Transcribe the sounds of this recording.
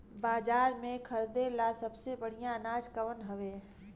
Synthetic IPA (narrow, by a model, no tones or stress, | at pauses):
baːd͡ʒaːɾmẽkʰɐɾd̪elasɐbsebəɽ̤ijãnaːd͡ʒkəʋənɦɐʋeː